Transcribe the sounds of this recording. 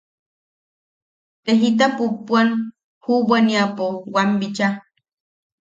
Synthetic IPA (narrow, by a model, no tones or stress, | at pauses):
t̪eɦit̪̬apupuan | hubaniapowambit͡ʃa